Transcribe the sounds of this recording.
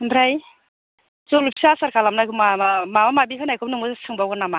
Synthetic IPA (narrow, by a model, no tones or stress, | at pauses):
ndɾaj | zɔlupsasaɾkʰalamnajkɯmamamamamabikʰanajkʰɔpnɯŋɯzasɯŋbawɡanama